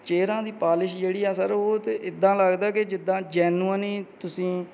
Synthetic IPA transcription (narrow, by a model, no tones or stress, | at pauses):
t͡ʃeːɾãːd̪iːpaːlɪʃd͡ʒeːɽiːaːsəɾoːt̪eɪd̪ːãːləɡd̪aːked͡ʒɪd̪ːãːd͡ʒɛːnuːaniːt̪ʊsĩː